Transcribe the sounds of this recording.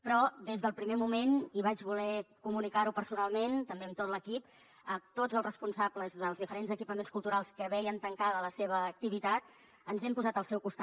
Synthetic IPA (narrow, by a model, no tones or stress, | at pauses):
pɾɔd̪ezðəlˠpɾimemumeniβ̞ad͡ʒβulɛkumunikaɾupəɾsunalˠment̪əmbeəmt̪ot̪ləkip | ət̪od͡zəlˠzrəspunsabləzðəlˠzðifəɾenzəkipəmenskulˠt̪uɾalˠskəβɛjənt̪əŋkaðələseβ̞əːk̚t̪iβit̪at̪ | ənzɛmpuzat̪əlˠsɛwkust̪a